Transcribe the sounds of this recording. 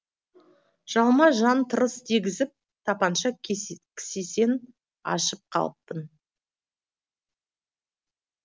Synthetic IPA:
ʒ̥ɑlˠmɑʒɑnt̪ʰəɾəst̪ʰiɡʲɪzɪp̚ | t̪ʰɑpɑnʃɑkʲʰɪ̥sese̞n | ɑ̰ʃəp̚qʰɑ̰lˠəp̚t̪ən

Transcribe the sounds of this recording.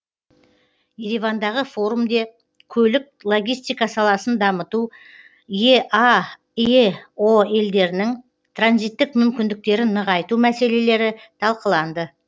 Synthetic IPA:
je̞ɾivɑnd̪ɑʁəfo̞ɾumd̪e̞ | kʲʰɵlɪk̚lˠo̞ɡʲijst̪ijkɑsɑlˠɑsənd̪ɑmət̪u | jeʔɑ | oe̞ld̪e̞ɾɪnɪŋ | t̪ʰranzijt̪ːɪkmʏmkʲɪnd̪ɪk̚t̪e̞ɾɪnːəʁɑjt̪umæse̞le̞le̞ɾɪt̪ʰɑlˠqəlˠɑnd̪ə

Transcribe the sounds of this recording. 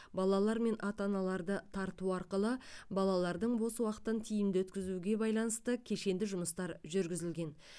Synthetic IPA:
bɑlˠɑlˠɑɾme̞nʔɑt̪ɑnɑlˠɑɾd̪ət̪ʰɑɾt̪uɑɾqəlˠəbɑlˠɑlˠɑɾd̪əɴbo̞swɑqə̥t̪ənt̪ʰijɪmd̪ɪwɵt̪kʲɪzuɡʲe̞bɑjlˠɑnəst̪əkʲʰe̞ʃe̞nd̪ɪʒʊməst̪ɑɾʒʏɾɡʲɪzɪlɡʲe̞n

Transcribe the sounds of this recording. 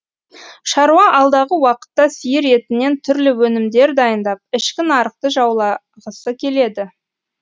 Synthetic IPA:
ʃɑɾuɑʔɑlˠd̪ɑʁəwɑqə̥t̪ːɑsijɪɾe̞t̪ɪne̞nt̪ʰʏɾlɪwɵnɪmd̪e̞ɾd̪ɑjənd̪ɑp̚ɪʃkʲɪnɑɾəq̚t̪əʒɑwlˠɑ | ʁəsəkʲʰe̞le̞d̪ɪ

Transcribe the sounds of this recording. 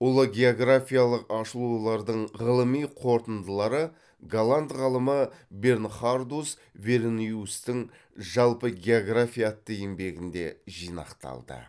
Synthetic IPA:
ʊlˠəɡʲe̞o̞ɡrafʲijalˠəqɑʃəlˠulˠɑɾd̪əɴʁəlˠəmijqʰo̞ɾt̪ənd̪əlˠɑɾə | ɡalˠant̪ʁɑlˠəməbe̞rnχard̪us | ve̞ɾniust̪ɪŋ | ʒɑlˠpəɡʲe̞oɡrafʲijat̪ːəjɪmbe̞ɡʲɪnd̪e̞ʒijnɑ̰qt̪ɑ̰lˠd̪ə̰

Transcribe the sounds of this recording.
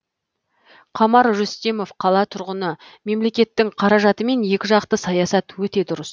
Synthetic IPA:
qʰɑmɑɾʒʏst̪e̞mo̞fqʰɑlˠɑt̪ʰʊɾʁənəme̞mle̞kʲe̞t̪ːɪŋqʰɑɾɑʒɑt̪əme̞nje̞kʲɪʒɑqt̪əsɑjɑsɑt̪wɵt̪e̞d̪ʊɾəs

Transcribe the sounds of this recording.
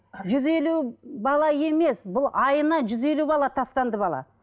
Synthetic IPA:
ʒʏze̞lubɑlˠɑje̞me̞sbʊlˠɑjənɑʒʏze̞lubɑlˠɑt̪ʰɑst̪ɑnd̪əbɑlˠɑ̰

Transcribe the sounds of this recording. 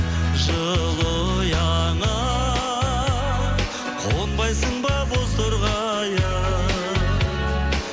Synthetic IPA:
ʒəlˠəjɑɴɑ | qʰonbɑjsəɴbɑbozd̪oɾʁɑ | jɑ

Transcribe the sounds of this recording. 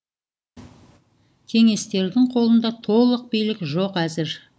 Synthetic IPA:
kʲʰe̞ŋe̞st̪e̞ɾd̪ɪŋqʰo̞lˠənd̪ɑt̪ʰo̞lˠəq̚bejlɪkʲʒo̞qæzɪɾ

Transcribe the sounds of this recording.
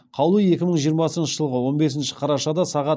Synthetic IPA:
qʰɑwlˠəe̞kʲɪməɴʒijəɾmɑsənʃəʒəlˠʁəwo̞nbe̞sɪnʃɪ̥qʰɑɾɑʃɑd̪ɑsɑʁɑ

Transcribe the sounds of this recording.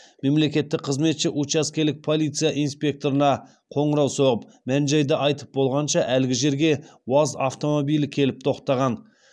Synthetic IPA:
me̞mle̞kʲe̞t̪ːɪk̚qʰəzme̞t̪ʃɪʔut͡ʃaskʲe̞lɪk̚pʰo̞lˠijt̪sɨjaʔijnspʲe̞k̚t̪o̞ɾənɑ | qʰo̞ɴəɾɑwso̞ʁəp | mænʒɑjd̪əʔɑjt̪ə̥p̚bo̞lˠʁɑnʃɑʔælɡʲɪʒe̞ɾɡʲe̞wɑza̰ft̪o̞mobijlɪkʲʰe̞lɪp̚t̪ʰo̞qt̪ɑʁɑn

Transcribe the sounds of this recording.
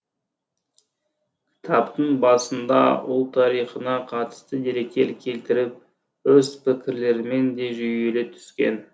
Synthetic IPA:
kʲʰɪ̥t̪ʰɑpt̪əɴbɑsənd̪ɑ̰ʊlˠt̪ʰɑɾijχənɑqʰɑt̪ə̥st̪əd̪e̞ɾe̞kʲːe̞lkʲʰe̞lt̪ɪɾɪp̚ | wɵzpʰɪkʲɪɾle̞ɾɪme̞nd̪e̞ʒʏje̞le̞t̪ʰʏ̥skʲe̞̰n

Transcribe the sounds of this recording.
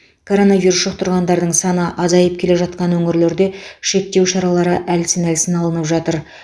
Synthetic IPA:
kʰo̞ɾo̞navʲiɾusʃoq̚t̪ʰʊɾʁɑnd̪ɑɾd̪əɴsɑnəʔɑzɑjəp̚kʲʰe̞le̞ʒɑt̪̚qɑnwɵŋɪɾle̞ɾd̪e̞ʃe̞k̚t̪e̞wʃɑɾɑlˠɑɾəʔælsɪnælsɪnɑlˠənəpʒɑt̪əɾ

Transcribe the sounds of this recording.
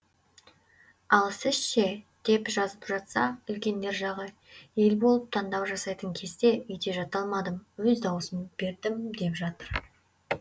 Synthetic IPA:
ɑlˠsɪzʃed̪̥e̞pʒɑzəpʒɑt̪sɑʏlkʲe̞nd̪e̞ɾʒɑʁə | je̞lbo̞lˠəp̚t̪ʰɑnd̪ɑwʒɑsɑjt̪əŋkʲʰe̞zt̪e̞ʔʏjd̪e̞ʒɑt̪ɑlˠmɑd̪əmwɵzd̪ɑwəsəmb̥e̞ɾd̪ɪmd̪e̞pʒɑt̪əɾ

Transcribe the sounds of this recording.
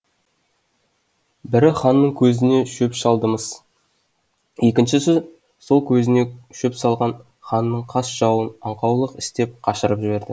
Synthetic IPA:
bɪɾɪχɑnːəɴkʲʰɵzɪne̞ʃɵpʃɑlˠd̪əməz̥ | je̞kʲɪnʃɪs̬ʏz | so̞lˠkʲʰɵzɪne̞ʃɵpsɑlˠʁɑn | χɑnːəɴqʰɑsʒ̥ɑwənɑɴqɑwlˠəqɪst̪e̞p̚qʰɑʃəɾəpʒɪbe̞ɾd̪ɪ

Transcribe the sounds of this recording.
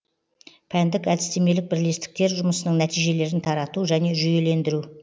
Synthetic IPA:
pʰænd̪ɪkæd̪ɪst̪e̞me̞lɪk̚bɪɾle̞st̪ɪ̥k̚t̪e̞ɾʒʊməsənəɴnæt̪ijʒe̞le̞ɾɪnt̪ʰɑɾɑt̪uʒæne̞ʒʏje̞le̞nd̪ɪɾu

